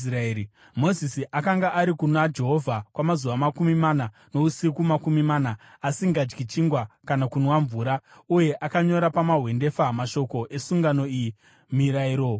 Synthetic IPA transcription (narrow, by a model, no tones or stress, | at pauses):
raeɾi | mo̞zisiʔakaŋɡaʔaɾikunad͡ʒe̞ɦo̞vʱakwamazuʋamakumimana | no̞usikumakumimaːnaːsiŋɡad͡ʒɡit͡ʃiŋɡwakanakunwaɱvuːɾauje̞ʔakaɲo̞ɾapamaɦwe̞nde̞famaʃo̞ko̞ʔe̞suŋɡano̞iji | miɾaiɾo̞